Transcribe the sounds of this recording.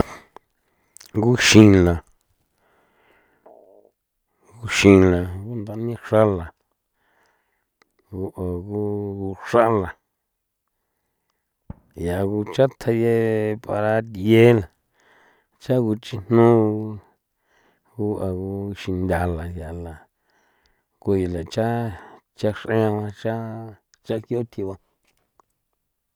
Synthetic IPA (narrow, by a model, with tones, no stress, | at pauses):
ŋɡu˦ʃĩ˧la˨ | ɡu˧ʃĩ˧la˨ɡu˦nd̪a˧˦nĩ˦ʂa˦la˨ | ɡu˧ʔa˨ku˦ku˧ʂa˦la˨ | ja˨ku˧t͡ʃa˦t̪ʰa˧je˧pa˧ɾa˧t̪je˦la˨ | t͡ʃa˦ku˧t͡ʃi˦n̥nũ˦˧ | ku˦a˨ku˧ʃi˧nd̪ʲa˧la˨ja˨la˨ | ku˧je˨la˨t͡ʃa˦t͡ʃa˧ʂʔẽ˦ã˧βã˧t͡ʃa˦ | t͡ʃa˦kjo˦t̪ʰi˧βã˧